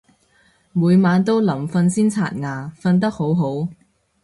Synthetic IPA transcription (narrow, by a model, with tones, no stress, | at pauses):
muː˨˧jmaː˨˧nt̪o˥wlɐ˨˩mfɐ˧nsiː˥nt͡sʰa̰ː˧˩t̚ŋaː˨˩fɐ˧nt̪̬ɐ˥k̚ho˨˥wɦo˨˥w